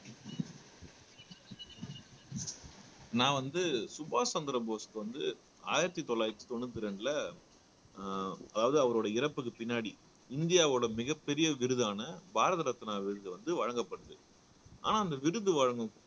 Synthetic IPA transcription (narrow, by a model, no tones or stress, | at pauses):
nãːʋɐnd̪ɯsʊbaːsɐnd̪ɐɾɐboːskːɯʋɐnd̪ɯ | a̰ːjɪɾɐt̪ːit̪ɔlːaːjɐkt̪ːi̥t̪ɔnːɯt̪̬ːɪɾɛɳɖɯlɐ | ɐðaːʋɐðɯɐʋɐɾoːɽɐɪɾɐpːɯk̬ːɯpɪnːaːɽi | ɪnd̪ɪjaːʋoːɽɐmɪɣɐpːɛɾɪjɐʋɪɾɯðaːnɐbaːɾɐðɐɾɐt̪ːɪnaːʋɪɾɯðɯʋɐnd̪ɯʋɐɻɐŋɡɐpːɐɽɯðɯ̰ | ʔa̰ːnaːɐnd̪ɐʋɪɾɯðɯʋɐɻɐŋɡɯ̃